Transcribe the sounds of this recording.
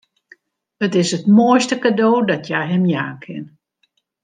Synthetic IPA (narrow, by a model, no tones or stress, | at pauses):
ətɪsətmoəjstəkadoːdɔtjajɦɛmjaːkʰɪ̰n